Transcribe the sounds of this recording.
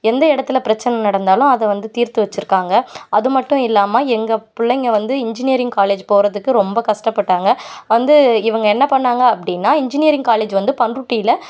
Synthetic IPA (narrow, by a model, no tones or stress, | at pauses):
ɛnd̪ɐɪɽɐt̪ːɪlɐpɪɾɐt͡ʃːɐnɐnɐɽɐnd̪aːlʊ̃ɐðɛʋɐnd̪ɯt̪iːɾt̪ɯʋɐt͡ʃːɯɾɯkːaːŋɡɐɐðɯmɐʈːʊ̃ɪlːaːmaːɛŋɡɐpʊɭːɐŋɡɐʋɐnd̪ɯɪɲd͡ʒɪnɪjɐɾɪŋɡkaːleːd͡ʒpoːɾɐðɯkːɯɾɔmbɐkɐʂʈɐpːɐʈːaːŋɡɐʋɐnd̪ɯɪʋɐŋɡɐɛnːɐpɐɳːaːŋɡɐːpːɐɽɪnːaːɪɲd͡ʒɪnɪjɐɾɪŋɡkaːleːd͡ʒʋɐnd̪ɯpɐɳrʊʈːɪjɪlɐ